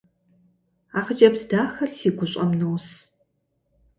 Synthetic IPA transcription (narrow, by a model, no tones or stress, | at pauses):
aːχəd͡ʒʼɐbzdaːxɐrsiːɡʷʊɕʼɐmnows